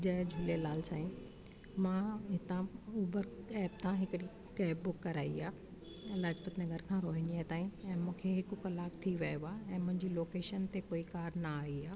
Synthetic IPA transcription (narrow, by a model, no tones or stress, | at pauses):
d͡ʑɐɦd͡ʑʱʊlelaːlsaːĩ | mãɦɪt̪ãuːbəɾɛːp̚t̪ʰãɦɪkɪɽi | kɛːpbʊkːɐɾaːiaː | ɪlaːd͡ʑpət̪nɐɡʱəɾkʰãɾoːɦɪ̃niat̪aːĩɛ̃ːmũːkʰeɦɪkʊkɐlaːkt̪ʰiʋɐjoaːɛ̃ːmʊ̃ɦɪ̃ɲd͡ʑiːloːkeːʃənt̪ekoːikaːɾnɐaːiaː